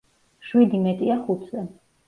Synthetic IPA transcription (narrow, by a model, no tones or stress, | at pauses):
ʃwid̪imɛt̪ʼiaχut̪ʰzɛ